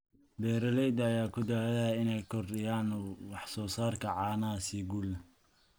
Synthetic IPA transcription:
bɛːɾɐlɛjd̪ɐjaːkʰʊd̪aːlɐhɐɪnɛjkʰɔrdɪjaːnwɑħsɔːsaːrkʰɐʕɑːnɐsiɡul

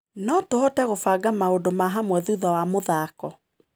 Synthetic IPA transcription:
nɔtohɔtɛɣofaɡamaodomaɦamwɛðuðɔwamoðakɔ

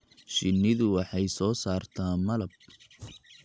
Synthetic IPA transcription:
ʃɪnːɪðʊwɑħɑjsɔːsaːrt̪ʰaːmɐlɐb̚

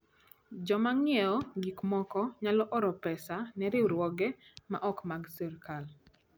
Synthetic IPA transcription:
d͡ʒɔmaŋjɛɔɡikmɔkɔɲalɔʔɔɾɔpɛsanɛɾɪwɾwɔɡɛmaʔɔkmaɡsɛɾkal

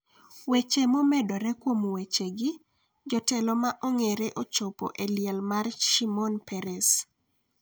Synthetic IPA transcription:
wet͡ʃemomɛdɔɾɛkwomwet͡ʃeɡɪ | d͡ʒɔtɛlɔmaʔoŋeɾeʔot͡ʃopo̰ʔeljɛlmarʃimɔnpɛɾɛs

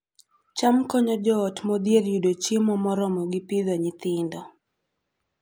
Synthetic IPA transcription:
t͡ʃamkɔɲɔd͡ʒɔːtmɔd̪jeljudot͡ʃimɔmɔɾɔmɔɡipiðɔɲɪt̪ɪndɔ

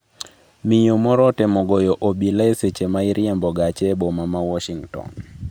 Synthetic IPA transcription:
mijomɔɾɔtɛmɔɡɔjɔʔobilaeset͡ʃemaɪɾʔjembɔɡat͡ʃɛbɔmamawɔʃiŋtɔ̰n

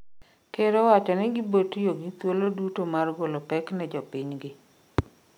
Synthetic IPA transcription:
keɾowat͡ʃɔnɛɡibotjoɡɪt̪wolodutomarɡolopɛknɛd͡ʒɔpɪɲɡɪ

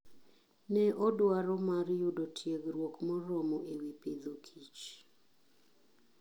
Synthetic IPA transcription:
nɛʔɔdwaɾɔmaɾjudɔtʰjeɡɾwokmɔɾɔmɔʔewiped̪okʰit͡ʃ

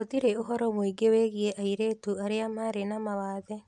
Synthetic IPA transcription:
otiɾeoɦɔɾɔmoiɡeweɣieʔaiɾeːtuaɾeamaɾenamawaːðɛ

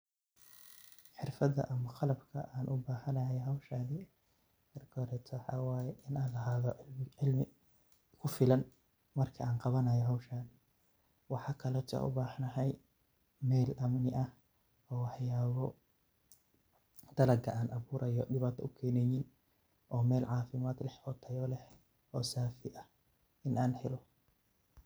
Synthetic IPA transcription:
ħɪrfɐðɐ̰ʔɐmɐqɑlɐbkʰɐ̰ʔaːnʔʊbaːħɐnɐɦɛjɦɐwʃaːnɪ | ɐrɡɔɾɛt̪ʰɔwħɑ̰ːwaːjɛʔɪnaːnlɐɦaːðɔlɪʕɪlmɪ | kʰʊfɪlɐn | mɐrkʰɐaːnqɑβɐnɐjɔɦawʃaːnɪ | wɑħɑːkʰɐlɔt̪ʰɐ̰ʔʊ̰baːħnɐɦɛj | mɛːlʔɐmnɪʔɐh | ɔːħjaːβɔ | d̪̥ɐlɐɡʰɐaːnʔɐβuːɾɐjɔɖɪβaːt̪ʰɐʊkʰɛːnɛjɪn | ʔɔːmɛːlʕɑːfɪmaːd̪lɛħʰɔːt̪ʰːɐjɔːlɛħ | ʔɔːsaːfɪʔɐh | ʔɪnaːnhɛlɔ

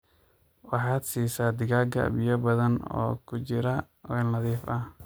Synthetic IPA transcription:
wɑħɑːd̪siːsaːd̪ɪɣaːɡɐ̰bɪjɐbɐðɐnɔ̰ːkʰʊt͡ʃɪɾɐ | wɛːlnɐðiːfɐh

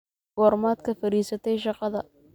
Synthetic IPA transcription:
ɡ̥ɔːrmaːd̪kʰɐfɐɾiːsɐt̪ʰɛjʃɑqɑðɐ

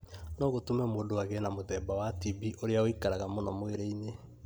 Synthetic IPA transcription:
nɔːɣotomɛmoːndoaɣɛnamoðɛːbawatibiʔoɾeaoikaɾaɣamonɔmweɾɛine

